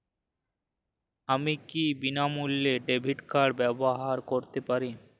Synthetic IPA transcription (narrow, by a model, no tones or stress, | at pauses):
amikibinamulːeɖebʱiʈkaɾɽbɛboɦaɾkoɾt̪epaɾi